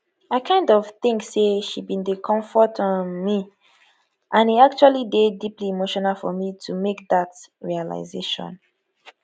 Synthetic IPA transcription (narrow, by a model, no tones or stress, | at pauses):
aɪkʰãɪ̃ndɔv̥θɪ̃ŋkseʃibĩndekʰɔ̃ɱfɔtʰɔ̃nmi | ʔãniak̚t͡ʃualidedipliemoʃɔnalfɔ̰mitʰumek̚ðatɹiala̰ɪzeʃɔ̰̃n